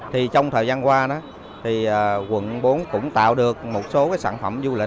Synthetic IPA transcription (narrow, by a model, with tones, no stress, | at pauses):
t̪ʰi˨˩t͡ɕɔ˧wŋ͡mt̪ʰəː˨˩jzaː˧nkwaː˧ɗɔ˨˦ | t̪ʰi˨˩əː˨˩kwə̰˧˥˨nɓo˨˦nkʊ̰˧˥ŋ͡mt̪a̰ː˧˨wɗɨ˨˩ək̚mo˨˩t̚so˨˦kaː˨˦jsaː˧˩nfə˧˩mzu˧lï˨˩